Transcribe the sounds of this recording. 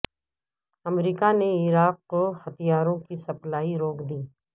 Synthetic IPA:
ɐmɾiːkaneɪɾaːqːoxɐt̪ijaːɾõkisɐplaːiɾoːkʰd̪iː

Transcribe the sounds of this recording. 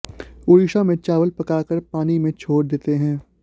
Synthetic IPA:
ʊːɾɪʃãmẽt͡ʃaːʋəlpɐkaːkəɾpaːnimẽt͡ʃʰoːɾd̪eːt̪eɦɛ̃ː

